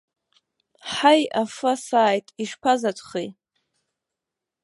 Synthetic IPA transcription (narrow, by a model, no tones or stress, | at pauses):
ħajafasaːjtʼiʂpʰazatʷʰʼχij